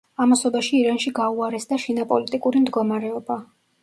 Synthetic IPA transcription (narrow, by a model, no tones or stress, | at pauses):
amasɔbaʃiːɾanʃiɡauaɾɛsd̪aʃinapʼɔlit̪ʼikʼuɾimd̪ɡɔmaɾɛɔba